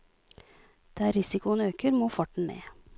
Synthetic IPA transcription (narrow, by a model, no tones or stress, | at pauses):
d̪̥eːæːɾɪsɪkʊənøːkəɾmoːfɔʈɳ̩ḛː